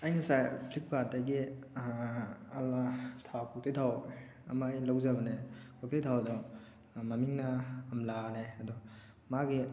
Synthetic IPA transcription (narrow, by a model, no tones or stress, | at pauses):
ajŋasajpʰlik̚pataɡi | ɐlatʰawkʰɔk̚tʰejtʰaw | ɐmajlawzabɐnekʰɔk̚tejtʰawdɔ | mɐmiŋnaːmlaneɐdɔ | maɡi